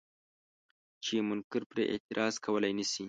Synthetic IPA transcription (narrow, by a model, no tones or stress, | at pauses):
t͡ʃemʊŋkɪɾpɾeʔḛt̪ɪɾʔɑzkʰawəlajnəsi